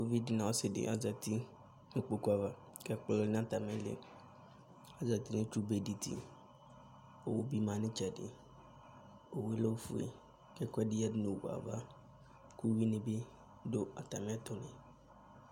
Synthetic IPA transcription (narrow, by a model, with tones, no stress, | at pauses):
ko˦vi˦di˨nã˨o˦sɪ˨dɪ̰˨ʔa̰˨za˨ti˦ | nʊ̃˨k͡po˦ku˦a˨va˦ | kɛ˦k͡plɔ˦ñ˦a˨ta˨mɪ̃˦lɪ̰˨ | a˨za˨ti˦nʊ̃˦tu˦be˨di˨t̪ʰḭ˨ | o˨wo˦bi˦mã˨nɪ̃˦t͡ʃɛ˨dɪ̰˨ | o˨we˦lo˦fṵ˨ḛ˨ | kɛ˦˨kʷɛ˦dɪ˦ja˦dɪ˦nʊ̃˨wṵ˨a̰˨va˦ | ku˦wi˦nɪ̃˨be˦ | do˦a˨ta˨mɪ̃˦t̪ʊ˦nɪ̃˨